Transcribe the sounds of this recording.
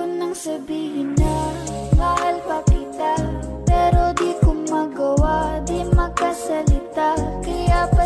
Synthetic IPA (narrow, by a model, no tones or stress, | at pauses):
ʊnːɐŋsɐbiːhɪna | bahalpɐkɪt̪a | pɛːɾod̪ikʊmaɡɐwad̪imɐkɐsɐlɪt̪akɐjapɐ